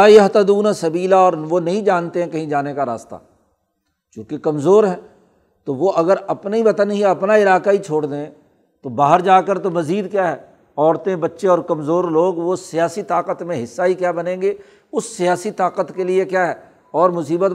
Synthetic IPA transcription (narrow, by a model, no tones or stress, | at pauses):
aːiɐɦt̪ad̪uːnasɐbiːlaɔːɾʋonɐɦĩd͡ʒaːnt̪eɦɛ̃kɐɦĩd͡ʒaːnekaɾa̰ːst̪a̰ː | t͡ʃũːkekɐmzoːɾɦɛ̃ː | t̪oʋoʔɐɡəɾɐpnibɐt̪ənɦiɐpnaɪlaːkait͡ʃʰoːɽd̪eɛ̃ | t̪obaːɦəɾd͡ʒaːkəɾt̪omɐziːd̪kjaːɦɛː | ɔːɾt̪ẽbɐtːʃeɔːɾkɐmzoːɾloːɡʋosɪjaːsit̪aːqət̪mẽɦɪsːaɦikjaːbɐnẽːŋɡeː | ʊsːɪjaːsit̪aːqət̪kelɪekjaːɦɛː | ɔːɾmʊsiːbət̪